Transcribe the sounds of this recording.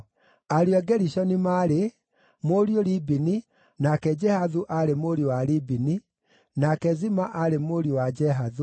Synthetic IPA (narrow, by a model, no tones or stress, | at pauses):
aɾiɔɡɛɾiʃɔnimaɾe | moɾioɾibini | nakɛd͡ʒɛhaðuʔaɾemoɾiowaɾibini | nakɛzimaʔaɾemoɾiwad͡ʒɛɦaðu